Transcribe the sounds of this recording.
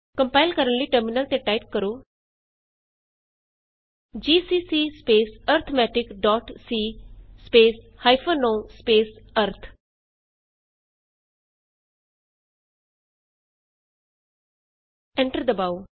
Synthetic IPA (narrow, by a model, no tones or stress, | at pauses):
kə̃mpaːɪlkəɾənliːʈəɾmɪnəlt̪eːʈaːip̚kəɾoː | d͡ʒiːsiːsiːspeːsəɾt̪ʰmɛːʈɪkɖɔːʈsiːspeːs | haːipʰoːnoːspeːsəɾt̪ʰ | ɛ̃ɳʈəɾd̪əbaːo